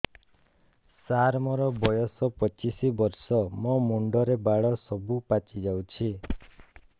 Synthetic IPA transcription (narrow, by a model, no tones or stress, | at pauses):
saɾmɔɾɔbɔjɔsɔpɔt͡ʃisibɔɾsɔmɔmuɳɖɔɾebaɭɔsɔbupat͡ʃid͡ʒawt͡ʃʰi